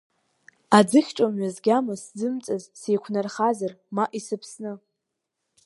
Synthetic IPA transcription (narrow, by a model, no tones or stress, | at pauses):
ad͡zɨχʲʈ͡ʂʼomɥazɡʲamasd͡zɨmt͡sʼazsejkʷʰnarχazarmaʔisɨpʰsnɨ